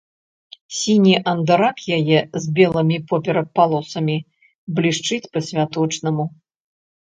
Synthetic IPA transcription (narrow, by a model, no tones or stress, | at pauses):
sʲinʲiʔɐnd̪aɾakjajɛzʲbʲɛlˠɐmʲipɔpʲɛɾɐpalˠɔsɐmʲi | blʲiʂt͡ʂɨt͡sʲpɐsʲvʲat̪ɔt͡ʂnɐmu